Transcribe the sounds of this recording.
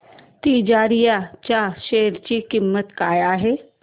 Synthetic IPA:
t̪iːd͡ʒaːɾijat͡ʃaːʃeːɾt͡ʃikɪmːət̪kaːjaɦɛː

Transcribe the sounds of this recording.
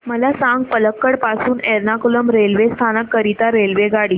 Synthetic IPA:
məlasãŋɡ̚pələkːəɽpasuːneɾnakuləmɾelʋest̪ʰanəkːəɾit̪aɾelʋeɡaɽiː

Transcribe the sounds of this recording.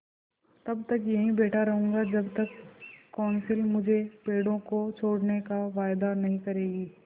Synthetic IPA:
t̪ɐbt̪ɐkjɐɦĩbeːʈʰaɾɐɦũːɡad͡ʒɐbt̪ɐkːɔːnsɪlmʊd͡ʒʱepeːɽõkot͡ʃʰoːɽnekaʋaːjd̪anɐɦĩkɐɾeːɡiː

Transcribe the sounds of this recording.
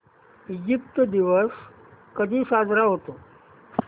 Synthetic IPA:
id͡ʑip̚t̪d̪iʋəs | kəd̪ʱiːsad͡zɾaɦot̪o

